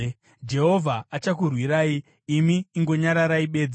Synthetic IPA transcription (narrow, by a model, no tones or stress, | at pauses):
d͡ʒe̞ɦo̞vʱaːt͡ʃak̬urwiɾaːiː | miːŋɡo̞ɲaɾaɾaiɓe̞ːd͡zi